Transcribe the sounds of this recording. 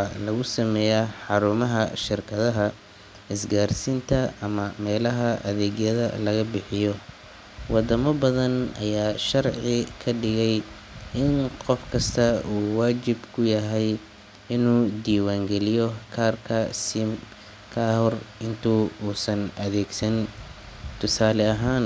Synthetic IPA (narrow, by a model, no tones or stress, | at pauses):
alɐɣʊsɐmɛːjaːħɑɾuːmɐɦɐʃɪrkʰɐðɐɦɐ | ɪsɡaːrsɪnt̪ʰɐʔɐmɐmɛːlɐɦɐʔɐðɛːɣjɐðɐ̰lɐɣɐbɪħɪjɔ | wʔɑd̪ɐmɐbɐðɐnɐ̰jaːʃɐrʕɪkʰɐɖɪɣɛj | ʔɪnqɔfkʰɐst̪ʰɐuːwaːt͡ʃɪbkʰʊjɐɦɛj | ɪnuːd̪iːwaːŋɡɛlɪjɔkʰaːrkʰɐsɪm | kʰaːhɔrɪnt̪ʰuuːsɐnʔɐðɛːɡsɐn | t̪ʰʊsaːlɛɐɦaːn